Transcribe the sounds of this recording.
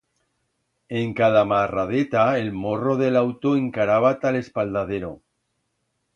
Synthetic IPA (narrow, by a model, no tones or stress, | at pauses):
e̞ŋkaðamarað̞et̪aelmo̞ro̞ðelawt̪oeŋkaɾaβ̞at̪ale̞spald̪aðeɾo̰